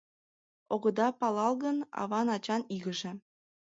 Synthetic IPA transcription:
oɣəd̪ɑpɑlɑlˠɣənɑ̰βɑnɑt͡ɕɑniɣəʒĕ

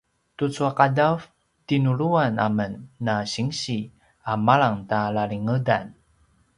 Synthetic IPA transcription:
tut͡suaqadav | tinuɭuana̰mənːaɕiŋɕi | amaɭaŋtalaɭiŋədan

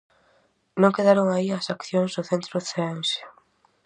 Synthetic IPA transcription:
nõŋkeðaɾoŋaiɐsakθjoŋzðʊθent̪ɾʊθeaŋʃe̥

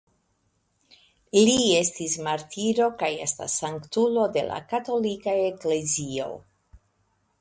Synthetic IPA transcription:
lie̞stismaɾtʰiɾo̞kaje̞sta̰saŋktulo̞de̞̰la̰kato̞likaekle̞zio̞̰

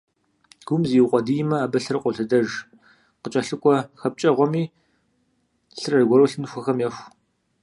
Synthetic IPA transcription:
ɡ̥ʷʊmziwqʷʼɔdiːjɪmɐaːbɐɬɨrqʷʼɔɬɐdɐʒ | qət͡ʃʼɐɬɨkʷʼɔxɐp̚t͡ʃʼɐʁʷɔmiː | ɬɨrɐrɡʷɔɾowɬɨnxʷɐxɐmjɐxʷ

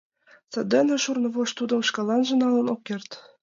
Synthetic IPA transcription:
sɤ̆d̪ĕnɘ̆ʃurnɤ̆βoʃt̪ud̪ɤ̆mʃkɑlɑnʒə̆nɑlɤ̆nokːert̪

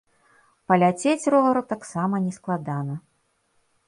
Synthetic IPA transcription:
pɐlʲat͡sʲet͡sʲrɔɣɐɾut̪aksamɐnʲɛsklˠad̪anɐ

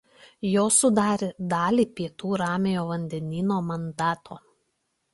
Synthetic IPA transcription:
joːsʊd̪ɑːɾʲed̪ɑːlʲiːpʲiɛt̪uːɾɑːmʲejoːʋɐnʲd̪ʲɛnʲiːnoːmɐnd̪ɑːt̪oː

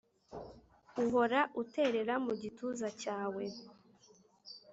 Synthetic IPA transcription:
uɦo̞ɾaʔute̞ɾe̞ɾamuɟituzacaːwe̞

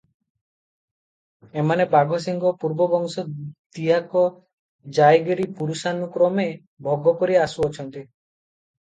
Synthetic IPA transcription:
emanebaɡʱɔs̬iŋɡɔpuɾbɔbɔŋsɔd̪iɦakɔ | d͡ʒajɡeɾipuɾusanukɾɔme | bʱɔɡɔkoɾiasuɔt͡ʃʰɔnt̪i

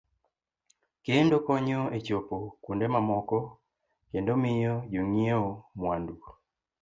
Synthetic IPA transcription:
kendokɔɲɔet͡ʃopokundemamɔkɔ | kendomɪjɔd͡ʒoŋieomwandu

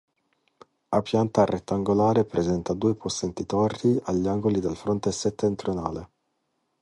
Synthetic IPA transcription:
apjant̪aret̪ːaŋɡolaːɾepɾezɛnt̪ad̪uːepʰosːent̪it̪ɔrdiaʎːaŋɡolid̪elfɾont̪eset̪ːent̪ɾjona̰ːle

